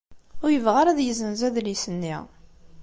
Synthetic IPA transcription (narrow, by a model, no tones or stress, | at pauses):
ʊɾjəvʁaɾæðjəzənzæðlisənːḭ